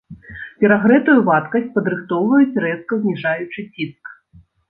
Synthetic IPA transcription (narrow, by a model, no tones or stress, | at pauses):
pʲɛɾaɣɾɛt̪ujuvat̪kɐsʲt͡sʲpɐd̪ɾɨxt̪ɔwvɐjut͡sʲrɛs̚kɐzʲnʲiʐajut͡ʂɨt͡sʲisk